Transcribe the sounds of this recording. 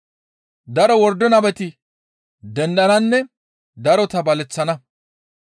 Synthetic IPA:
d̪ɐɾɔwɔɾd̪ɔnɐbɛt̪ɪ | d̪ɛnɗ̪ɐnɐnːɛ | d̪ɐɾɔt̪ɐbɐlɛt͡sːɐnɐ

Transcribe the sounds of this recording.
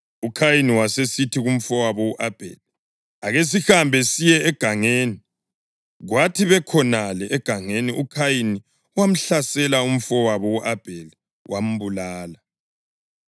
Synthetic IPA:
ukʰajiniwasesitʰiɣum̩fɔwaβɔuʔab̥ʱḛli | aɣes̬ixambʱɛsijɛːɡ̥ʱaŋeːni | ɣwatʰiβɛkʰɔnalɛʔːɡ̥ʱaŋeniʔukʰajini | wam̩ɬasɛlaum̩fɔwaβɔuʔab̥ʱeli | wʔam̩βulaːla

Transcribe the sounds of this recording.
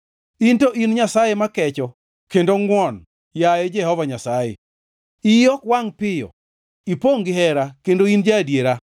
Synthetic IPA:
intoʔinɲasajɛmakɛt͡ʃɔ | kendoŋɡwɔn | jajɛd͡ʒɛhɔvaɲasajḛ | ijɔkwaŋpɪjɔ̰ | ipoŋɡɪɦɛɾakendoind͡ʒadjeɾa

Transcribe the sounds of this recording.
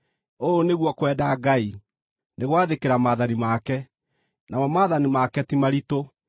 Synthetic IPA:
oːneɣwɔkwɛdaːɡai | neɣwaðekeɾamaːðanimakɛ | namɔmaːðanimakɛtimaɾito

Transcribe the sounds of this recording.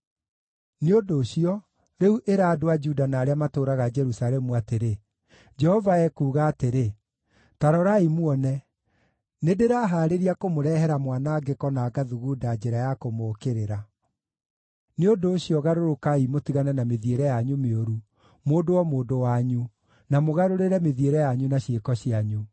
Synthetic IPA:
neodoːɕiɔ | ɾeuʔeɾaːdoad͡ʒudanaːɾeamatoɾaɣad͡ʒɛɾusalɛmuateɾe | d͡ʒɛhɔvaɛkuːɣaːteɾe | taɾɔɾaimwɔnɛ | nedeɾaːɦaːɾeɾiakomoɾɛɦɛɾamwanaːɡekɔnaːɡaðuɣudad͡ʒeɾajakomoːkeɾeɾa | neodoːɕiɔɣaɾoɾokaimotiɣanɛnameðieɾɛjaɲumeoɾu | moːdowɔmoːdowaɲu | namoɣaɾoɾeɾɛmeðieɾɛjaɲunaɕekɔɕiaɲu

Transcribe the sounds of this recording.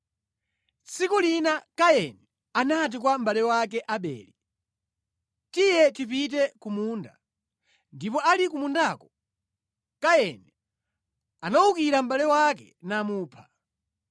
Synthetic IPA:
t͡sʰikulinakajɛnɛ | anat̬ikwam̩balɛwak̬ɛʔaɓɛ̰ːli | tijɛtip̬it̬ɛkumuːnda̰ | ndipɔʔalikumundakɔ | kajɛnɛ | anaukiɾam̩ɓalɛwakɛ̰ | namuːpʰḁ

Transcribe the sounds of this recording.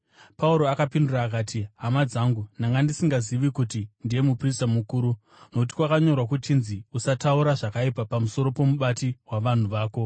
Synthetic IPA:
pauɾo̞akapinduraːkaːtʰiɦamad͡zaŋɡunaŋɡandisiŋɡaziʋikutindije̞mupristamukuːɾu | nokut̬i̥kwakaɲo̞rwakutinziusatauɾaʐakaipapamuso̞ɾo̞po̞muɓatiɦwaʋan̤uʋaːko̞

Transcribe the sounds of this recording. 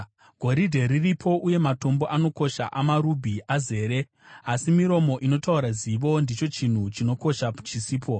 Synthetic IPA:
ɡʱo̞ɾidʱe̞ɾiripʰo̞ʔuje̞mato̞mbo̞ʔano̞ko̞ʃa̰ʔamaɾubʱiʔaze̞ːɾe̞ | asimiɾo̞mo̞ʔino̞tauɾaziʋo̞ndit͡ʃo̞t͡ʃin̤ut͡ʃino̞ko̞ʃaput͡ʃisiːpʰo̞

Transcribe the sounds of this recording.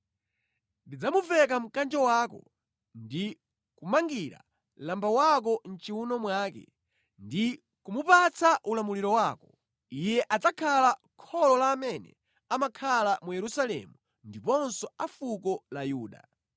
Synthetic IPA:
ndid͡zamuvɛkam̩kand͡ʒɔwaːkɔ̰ | ndi | kumaŋɡiɾa̰ | lambawak̬ɔn̩t͡ʃiunɔmwaːkɛ̰ | ndi | kumupat͡sʰaʔulamuliɾɔwaːkɔ | ijɛʔatakʰala | kʰɔlɔlaːmɛnɛ̰ | amakʰalamujɛɾusalɛ̰mu | ndipɔnsɔafukɔlajuːɗa̰

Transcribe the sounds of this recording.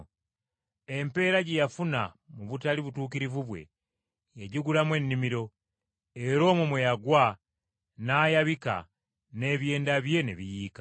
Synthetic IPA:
e̞mpe̞ːɾaɟejafuna | muβutaliβutuːkiɾivuβwe̞̰ | jeɟiɡulamwe̞nːimiɾo̞ | e̞ɾo̞ːmumwejaɡwa | naːjaβika̰ | ne̞βje̞ːndaβje̞neβijiːka

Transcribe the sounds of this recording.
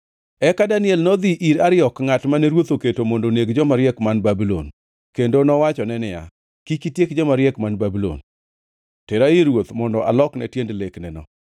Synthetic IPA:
ɛkadanɪɛlnɔd̪iʔiɾaɾɪɔkŋatmanɛɾwot̪oketomondoneɡd͡ʒɔmaɾɪjɛkmanbabilo̰n | kendonɔwat͡ʃɔnɛnɪja̰ | kikitjekd͡ʒɔmaɾjɛkmanbabilo̰n | tɛɾaɪɾwot̪mɔndɔʔalɔknɛtjendleknɛnɔ

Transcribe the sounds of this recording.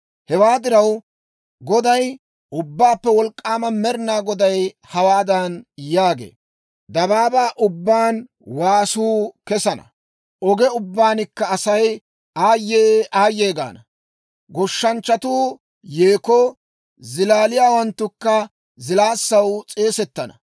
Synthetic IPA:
hɛwaːd̪ɪɾɐw | ɡɔd̪ɐj | ʔʊbːaːpːɛwɔlkʼːaːmɐmɛɾɪnaːɡɔd̪ɐj | hɐwaːd̪ɐnjaːɡḛː | d̪ɐbaːbaːʔʊbːaːn | waːsuːkɛsɐnɐ̰ | ʔɔɡɛʊbːaːnɪkːɐːsɐj | aːjːeːʔaːjːeːɡa̰ːnɐ | ɡɔʃːɐnt͡ʃːɐt̪uː | jeːkoː | zɪlaːlɪjaːwɐnt̪ːʊkːɐ | zɪlaːsːɐwt͡sʼe̞ːsɛt̪ːɐnɐ̰

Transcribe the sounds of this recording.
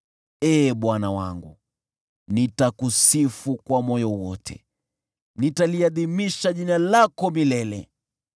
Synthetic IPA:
ɛːɓwanawa̰ŋɡu | nitakusifukwamɔjɔwɔtʰɛ̰ | nitaliaðimiʃaʄinalakɔmilɛlɛ̰

